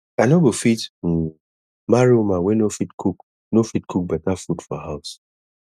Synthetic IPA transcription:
anoɡofit̩ | maɾiumawenofitkʰuk | nofitkʰuk̚bɛtafudfɔɦaʊs

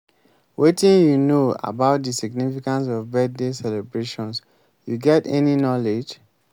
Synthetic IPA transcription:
wetĩnjunoa̰baʊt̚disiɡnifikãns̬ɔvbɛt̚desɛlɛbɹeʃɔ̃ns | juɡɛtɛninɔled͡ʒ

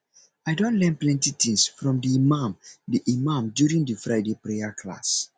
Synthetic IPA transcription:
aɪdõnlɛ̃nplɛ̃ntitĩŋsfɹɔ̃mdiːmãmdiʔimãmdjuɹĩŋdifɹaɪdepɹejakʰla̰s

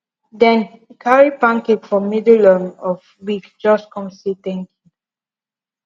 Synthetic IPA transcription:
dɛ̃nkʰaɹipãŋketfɔmidlɔnɔv | wikd͡ʒɔskɔ̃msit̪ɛ̃ŋkĩŋ

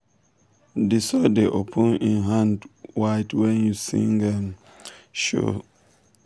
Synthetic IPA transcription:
disɔdeʔopʰũnĩnɦãndwaɪtʰwɛ̃njusḭ̃ŋɡan | ʃo̰

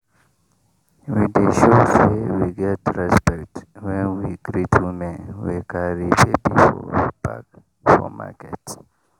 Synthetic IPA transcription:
wideʃosewiɡɛtɹɛspɛktwɛ̃nwiɡɾitʰumewikaɾibebifɔ̰pa̰k | fɔ̰ma̰kɛt

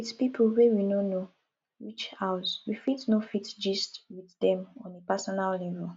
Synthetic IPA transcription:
itpipʰuwewinono | wit͡ʃhaʊswifitnofitd͡ʒistwiθdɛ̃mɔ̃nepasɔnallɛvɛl

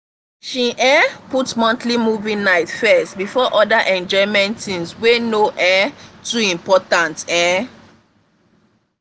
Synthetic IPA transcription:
ʃiʔɛ̃putmɔ̃ntlimuvĩnaɪtfɛstbifɔʔɔdaʔɛ̃nd͡ʒɔmɛ̃ntĩnswenoʔɛ̃tuĩmpɔtãntɛ̃

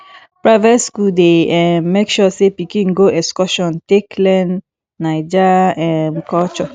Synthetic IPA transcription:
pɹaɪvɛtskuldeɛmekʃɔsepikĩŋɡoʔɛskɔʃɔ̃nteklɛ̃nː | ajd͡ʒaɛmkɔt͡ʃɔ

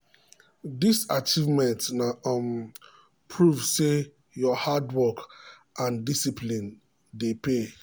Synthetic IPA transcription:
disat͡ʃivmɛ̃ntnaɔm | pʰɹuvse | jɔhadwɔk | ʔãndisipʰlĩn | depe

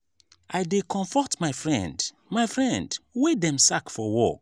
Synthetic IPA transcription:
ajdekʰɔ̃ɱfɔtmaɪfɹɛ̰̃nd | maɪfɹɛ̃ndwedɛ̃msakfɔwɔ̰

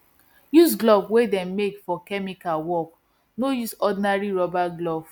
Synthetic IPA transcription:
jus̬ɡlɔvwedɛ̃mmekfɔkɛmikalwɔk | nojusɔdinaɹiɹɔbaɡlɔv̥

